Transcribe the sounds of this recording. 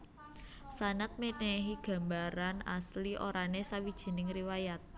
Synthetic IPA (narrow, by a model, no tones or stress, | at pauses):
sanat̪̚meneɦiɡ̥ä̤mbaɾana̰sliʔoɾanesawid̥ʒ̥i̤nɪŋriwajat̪̚